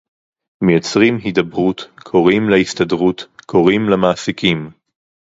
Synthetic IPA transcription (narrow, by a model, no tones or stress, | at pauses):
mejot͡sʁimɦidɐbʁutkʰo̞ʁimlehistadʁutkʰo̞ʁimlamaːsikim